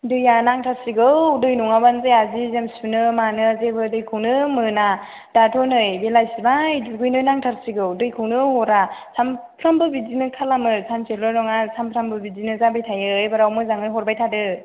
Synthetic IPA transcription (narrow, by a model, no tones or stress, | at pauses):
dɯjanaŋtʰaɾsiɡɯwdɯjnuŋabanzajazizemsunɯmanɯzebɯdɯjkʰɯwnɯmɯna | d̥atʰɔnɯjbelajsibajdɯɡɯjnɯjnaŋtʰaɾsiɡɯwdɯjkʰɯwnɯhɔɾasʰampʰɾambɯbidinɯkʰalamɯsʰamsʰelɔnɔŋasʰampʰɾambɯbidinɯzabajtʰajɯjbaɾawmɯzaŋɯjɦɔɾbajtʰadɯ